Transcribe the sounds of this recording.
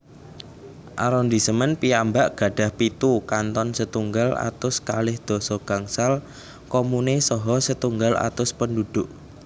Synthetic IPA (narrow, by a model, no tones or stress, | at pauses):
ʔa̰ɾɔnd̪isəmənpiambaʔɡ̥ä̤ɖ̥a̤hpit̪ukant̪ɔnsət̪uŋɡala̰t̪ʊskalɪhd̪̥ɔ̤sɔɡ̥a̤ŋsal | kɔmunesɔɦɔsət̪uŋɡala̰t̪ʊspəndud̪̥ʊʔ